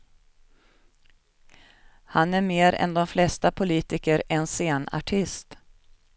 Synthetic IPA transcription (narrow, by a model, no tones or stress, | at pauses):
hanæɾmeːɾɛ̰nd̪ɔmflɛst̪apʰʊliːt̪ɪkəɾɛnseːna̰ʈʰɪst̪